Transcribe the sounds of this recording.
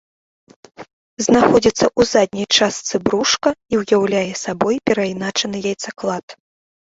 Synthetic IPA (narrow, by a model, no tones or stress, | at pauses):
znaxɔd͡zʲit̪sːɐʔuzad̪̚ʲnʲɐjt͡ʂast̪sɨbɾuʂkɐiwjawlʲajɛsabɔjpʲɛɾɐjnat͡ʂɐnɨjajt̪saklˠat̪